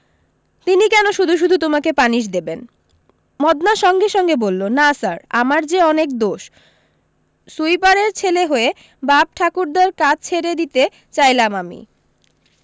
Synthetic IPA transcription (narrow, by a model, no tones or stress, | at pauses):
t̪inikɛnoʃud̪ʱuʃ̬ud̪ʱut̪omakepaniʃ̬d̪eben | mɔd̪naʃɔŋɡeʃɔŋɡebolːonasaɾamaɾd͡ʑeɔnek̚d̪oʃ | sujpaɾeɾt͡ɕʰeleɦoe | bab̚ʈʰakuɾd̪aɾkat͡ɕt͡ɕʰeɾed̪it̪e | t͡ɕajlamamḭ